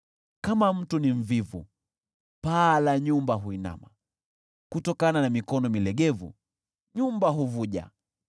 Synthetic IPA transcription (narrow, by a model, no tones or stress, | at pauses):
kamam̩tuniɱ̩vivṵ | palaɲumbaɦuina̰ma | kutɔkananamikɔnɔmilɛɡɛvṵ | ɲumbaɦuvuʄa̰